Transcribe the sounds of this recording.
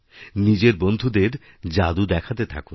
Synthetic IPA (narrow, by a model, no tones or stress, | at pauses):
nid͡ʑeɾbond̪ʱud̪eɾ | d͡ʑad̪ud̪ɛkʰat̪et̪ʰa̰kun